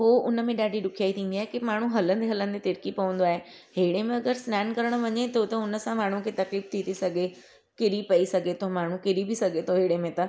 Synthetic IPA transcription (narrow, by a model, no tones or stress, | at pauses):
ɦoʊnəmẽɗaːɖʱiɗʊkʰijaːit̪ʰĩːn̆d̪iaːɦekimaːɳ̤uɦɐlə̃nd̪eɦɐlə̃n̆d̪et̪ɪɾkipɐʋə̃nd̪oaːɦe | ɦeːɽemẽɐɡəɾsnɛːnkɐɾəɽ̃ʋɐɲet̪ot̪ɐʊnə̆sãmaːɳ̤ũkʰet̪ɐkliːft̪ʰit̪ʰisɐɡʱe | kɪɾipɐisɐɡʱet̪ʰomaːɳ̤ũkɪɾibɪsɐɡʱet̪ʰoɦeːɽemẽt̪ɐ